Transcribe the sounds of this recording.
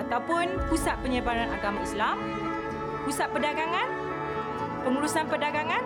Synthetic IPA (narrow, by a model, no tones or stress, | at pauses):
at̪awpʊnpusat̪̚pəɲəbaɾanaɡamãislam | pusat̪̚pədaɡaŋãn | pəŋulusanpədaɡaŋãn